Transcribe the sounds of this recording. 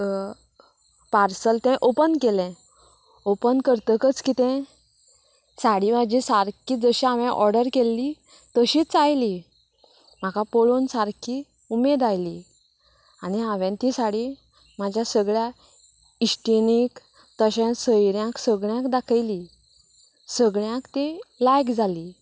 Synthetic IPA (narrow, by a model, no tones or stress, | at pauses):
paɾsəlt̪ɛ̃ʔopənkelɛ̃ | opənkəɾt̪əkət͡skit̪ɛ̃ | saɽimad͡ʑisaɾkiːd͡zəɕiaʋɛ̃ʔɔɾɖəɾkelːi | t̪əɕiːt͡sajli | m̤akapoɭonsaɾkʰi | umed̪ajli | aniaʋɛ̃nt̪isaɽi | mad͡ʑʱjasəɡɭja | isʈinik | t̪əɕɛ̃səjɾjãksəɡɭjãkd̪akʰajli | səɡɭjãkt̪ĩlajkd͡zʱali